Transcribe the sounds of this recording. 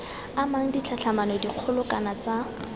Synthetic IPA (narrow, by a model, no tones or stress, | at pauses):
amaŋ̩dit͡ɬʰaɬʰamanɔediq͡χʰʊlʊkanat͡sa